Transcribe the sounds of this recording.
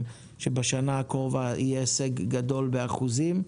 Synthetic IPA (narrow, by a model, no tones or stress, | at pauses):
ʃebeʃanaːkoʁovaḭjeeseɡːado̞lbe̞aχuzim